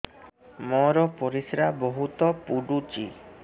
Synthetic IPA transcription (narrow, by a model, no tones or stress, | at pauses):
mɔɾɔpoɾisɾaboɦut̪ɔpuɖut͡ʃi